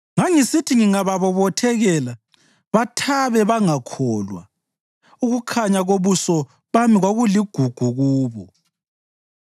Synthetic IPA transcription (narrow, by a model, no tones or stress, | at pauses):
ŋaŋisitʰiŋiŋaβaβɔβɔtʰɛɣɛla | βatʰaβɛβaŋakʰɔːlwa̰ | uɣukʰaɲaɣoβusɔ | βamiɣwaɣuliɡ̥ʱuɡ̥ʱuɣuːβɔ